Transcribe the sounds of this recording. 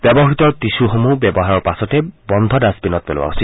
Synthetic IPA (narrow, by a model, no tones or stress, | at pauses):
bɛbɔɦit̪ɔɹtisuxomubɛbɔɦaɹɔɹpasɔtɛbɔnd̪ʱɔdasbinɔt̚pɛlo̰wa̰ɦosil